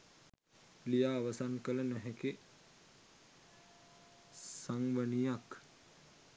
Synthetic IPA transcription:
lijaːʋəsankələnæɦɛke | saŋʋənijak

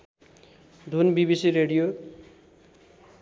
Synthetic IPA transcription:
d̪ʱunbibisiɾeɽijo

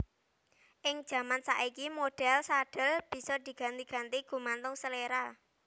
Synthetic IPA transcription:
ʔɪŋ̥ʒ̥ä̤mansa̰ʔikimoɖ̥ɛ̤lsaɖ̥ə̤lb̥i̤sɔd̪̥i̤ɡ̥a̤nt̪iɡ̥a̤nt̪iɡ̥ṳmant̪ʊŋsəleɾa

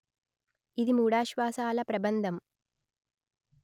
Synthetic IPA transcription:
id̪imuːɽaːʃʋaːsaːlɐpɾɐbɐnd̪ʱɐm

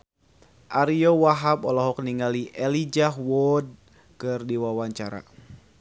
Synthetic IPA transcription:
ʔaɾiowaɦapɔlɔɦɔkniŋaliʔɛlid͡ʒaɦwɔd̚ | kɨrdiwawaɲt͡ʃaɾa̰

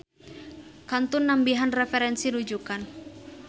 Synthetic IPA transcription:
kant̪unːambiɦanrɛfɛɾɛnsinud͡ʒukan

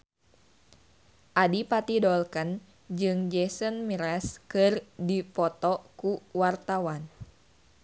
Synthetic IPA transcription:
ʔadipat̪idɔlkən | d͡ʒɨŋd͡ʒɛsənmiɾɛskɨrdipɔt̪ɔkuwart̪awan

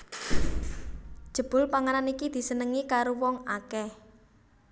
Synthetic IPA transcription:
d̥ʒ̥ə̤b̥ʊ̤lpaŋaɾanikid̪̥i̤sənəŋikaɾowɔŋakɛh

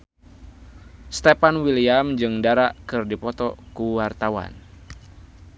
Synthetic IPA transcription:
st̪epanwiliamd͡ʒɨŋdaɾaʔkɨrdipɔt̪ɔkuwart̪awa̰n

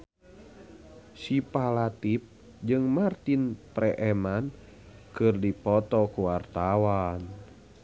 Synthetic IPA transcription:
sipalat̪ip̚ | d͡ʒɨŋmart̪inpɾɛʔɛman | kɨrdipɔt̪ɔkuwart̪awan

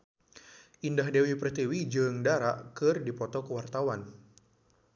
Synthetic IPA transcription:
ʔindaɦdewiprt̪iwid͡ʒɨŋdaɾa̰ʔkɨrdipɔt̪ɔkəwart̪awan

